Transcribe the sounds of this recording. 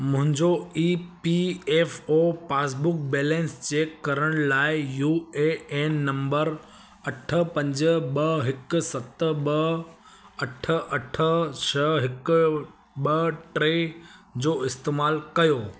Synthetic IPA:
mʊ̃ɦɪ̃ɲd͡ʑoiːpieːfoːpaːs̬bʊk̚bɛːlɛ̃ːnst͡ɕeːkːɐɾəɽ̃laːɪjuːeeːnːɐ̃mbəɾ | ɐʈʰə̆pɐ̃ɲd͡ʑəɓɐɦɪksɐt̪ɓɐ | ɐʈʰə̆ʔɐʈʰət͡ɕʰɐɦɪk | ɓɐʈɾed͡ʑoːɪst̪eːmaːlkɐjoː

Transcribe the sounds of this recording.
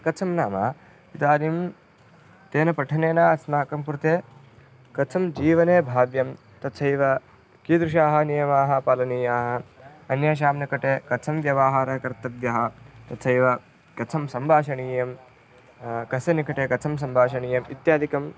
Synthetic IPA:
kɐt͡sʰɐmnaːmɐ | it̪aːnim | t̪eːnɐpɐʈʰɐneːnaːɐsnaːkɐmkuɾt̪eː | kɐt͡sʰɐmd͡ʒiːʋɐneːbʱaːʋjɐm | t̪ɐtsʰɐjʋɐ | kiːd̪ɾuʃ̬aːɦɐ̆nijɐmaːɦɐ̆paːlɐniːjaːɦɐ̆ɐnjaːʃ̬aːmnɐkɐʈeːkɐt͡sʰɐmʋjɐʋaːɦaːɾɐkɐɾt̪ɐd̪jɐɦɐ̆t̪ɐsʰɐjʋɐ | kɐt͡sʰɐmsɐmbʱaːʃɐɳiːjɐm | kɐsɐnikɐʈeːkɐt͡sʰɐms̬ɐmbʱaːʃɐɳiːjɐmit̪jaːd̪ʱikɐm

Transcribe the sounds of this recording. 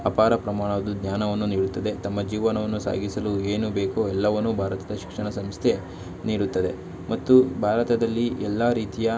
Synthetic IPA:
ɐpaːɾɐpɾɐmaːɳɐd̪ud̪ɲjaːnɐʋɐnːuniːɽut̪ːɐd̪e̞t̪ɐmːɐd͡ʒiːʋɐnɐʋɐnːusa̰ːɡisɐlueːnubeːkoːɛlːɐʋɐnːubʱaːɾɐt̪ɐd̪ɐʃi̥kʂɐɳɐsɐmst̪ʰe̞ | niːɽut̪ːɐd̪e̞ | mɐt̪ːubʱaːɾɐt̪ɐd̪ɐlːiɛlːaɾiːt̪ijɐ

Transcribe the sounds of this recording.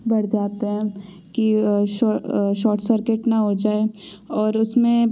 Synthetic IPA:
bɐɽ̤d͡ʒaːt̪eɦɛ̃ | kiʃʃɔːɾʈsəɾkeʈnɐɦod͡ʒaːe | ɔːɾʊsmẽ

